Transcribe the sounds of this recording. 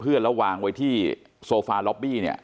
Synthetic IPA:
pʰɯ˥˩ənlɛ˦˥waː˧ŋwa˧jt̪ʰiː˥˩ | soː˧faː˧lɔ˦˥p̚bi˥˩ni˥˩ə

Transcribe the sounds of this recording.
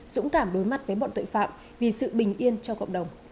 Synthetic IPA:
zʊ̰˧˥ŋ͡mkaː˧˩mɗo˨˦jma˨˩t̚t̪əː˨˦jɓɔ̰˧˨nt̪ɨ̰˧˨jfa̰ː˧˨m | vi˨˩sɨ̰˧˨ɓï˨˩ŋ̟ʔi˧ənt͡ɕɔ˧kə̰˧˨wŋ͡mɗə˨˩wŋ͡m

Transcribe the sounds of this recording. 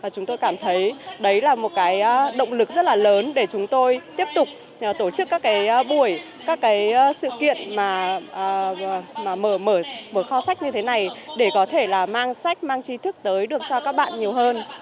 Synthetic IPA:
vaː˨˩t͡ɕʊ˨˦ŋ͡mt̪o˧jkaː˧˩mt̪ʰə˨˦jɗə˨˦jlaː˨˩mo˨˩t̚kaː˨˦jɗə̰˧˨wŋ͡mlɨ˨˩k̚zə˦˥t̚laː˨˩ləː˨˦nɗe˧˩t͡ɕʊ˨˦ŋ͡mt̪o˧jt̪i˦˥əp̚t̪ʊ˨˩k͡p̚ː | t̪o˧˩t͡ɕɨ˦˥kːaː˦˥kːaː˨˦jɓu˧˩əj | kaː˦˥kːaː˨˦jsɨ̰˧˨kḭ˧˨ənmaː˨˩ʔːmaː˨˩məː˧˩məː˧˩məː˧˩xɔ˧sa˦˥jk̟̚ɲɨ˧t̪ʰe˨˦na˨˩jɗe˧˩kɔ˨˦t̪ʰe˧˩laː˨˩maː˧ŋsa˦˥jk̟̚maː˧ŋt͡ɕi˧˦t̪ʰɨ˦˥k̚t̪əː˨˦jɗɨ˨˩ək̚t͡ɕɔ˧kaː˦˥k̚ɓa̰ː˧˨nɲi˨˩əwɦəː˧n

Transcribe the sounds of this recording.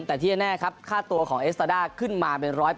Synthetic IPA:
t̪ɛː˨˩t̪ʰiː˥˩a˧nɛː˥˩kʰa˦˥p̚kʰaː˥˩t̪u˧ɐkʰɔː˩˦ŋʔe˦˥s̚t̪aː˧daː˥˩kʰɯ˥˩nmaː˧pe˧nɾɔː˦˥j

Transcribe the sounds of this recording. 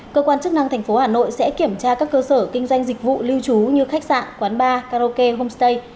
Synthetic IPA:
kəː˧kwaː˧nt͡ɕɨ˦˥k̚na˧ŋt̪ʰɛ˨˩jŋ̟fo˨˦haː˧˩no̰˧˨jsɛ̰˧˥ki˧˩əmt͡ɕaː˧kaː˦˥kːəː˧səː˧˩kï˧ŋ̟zwa˧jŋ̟zï˨˩k̟̚vṵ˧˨li˧wt͡ɕu˨˦ɲɨ˧xa˦˥k̚sa̰ː˧˨nkwaː˨˦nɓaː˧kaː˧ɾo˧ke˧ɦo˧mst̪ə˧j

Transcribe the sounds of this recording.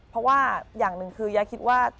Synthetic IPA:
pʰɾɔ˦˥waː˥˩jaː˨˩ŋnɯ˨˩ŋkʰɯː˧jaː˧˩kʰi˦˥t̪̚waː˥˩

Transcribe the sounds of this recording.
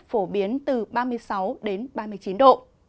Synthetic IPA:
fo˧˩ɓi˨˦ənt̪ɨ˨˩ɓaː˧mɨ˧əjsa˨˦wɗe˨˦nɓaː˧mɨ˧əjt͡ɕi˨˦nɗo̰˧˨ʔ

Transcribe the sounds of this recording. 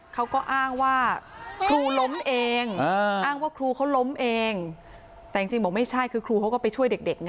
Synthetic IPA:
kʰa˦˥wkɔː˥˩ʔaː˥˩ŋwaː˥˩kʰɾuː˧lo˦˥mʔeː˧ŋ˧ʔaː˥˩ŋwaː˥˩kʰɾuː˧kʰa˦˥wlo˦˥mʔeː˧ŋ | t̪ɛː˨˩t͡ɕi˧ŋt͡ɕi˧ŋbɔː˨˩˦ma˥˩jt͡ɕʰa˥˩jkʰɯː˧kʰɾuː˧kʰa˦˥wkɔː˥˩pa˧jt͡ɕʰu˥˩əjde˨˩k̚de˨˩k̚na˦˥

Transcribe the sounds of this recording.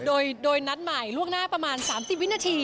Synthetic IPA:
doː˧jdoː˧jna˦˥t̪̚ma˨˩jlu˥˩əŋnaː˥˩pɾa˧maː˧nsaː˩˦msi˨˩p̚w̚naː˧t̪ʰiː˧

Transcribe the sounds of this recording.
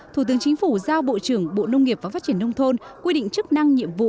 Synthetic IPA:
t̪ʰu˧˩t̪ɨ˨˦əŋt͡ɕï˨˦ŋ̟fu˧˩zaː˧wɓo̰˧˨t͡ɕɨ˧˩əŋɓo̰˧˨nə˧wŋ͡mŋi˨˩əp̚vaː˨˩fa˦˥t̚t͡ɕi˧˩ənə˧wŋ͡mt̪ʰo˧nkwi˧ɗḭ̈˧˨ŋ̟t͡ɕɨ˦˥k̚na˧ŋɲḭ˧˨əmvṵ˧˨

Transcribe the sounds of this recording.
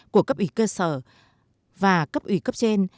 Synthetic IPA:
ku˧˩əkə˦˥p̚ʔi˨˦kəː˧səː˧˩ | vaː˨˩kə˦˥p̚ʔwi˨˧˩kə˦˥p̚t͡ɕe˧n

